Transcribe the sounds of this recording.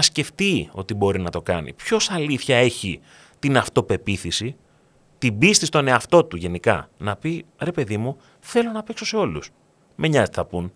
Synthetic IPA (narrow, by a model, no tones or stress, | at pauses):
ɐsce̞ft̪io̞̰t̪ibo̞ɾinɐt̪o̞kɐnḭpço̞sɐliθçɐe̞çi | t̪inɐft̪o̞pe̞piθisi | t̪ibist̪ist̪o̞ne̞ɐft̪o̞t̪uʝe̞nikɐ̰nɐpiɾe̞pe̞ðimu | θe̞lo̞nɐpekso̞se̞o̞lus | me̞ɲɐzt̪iθɐpun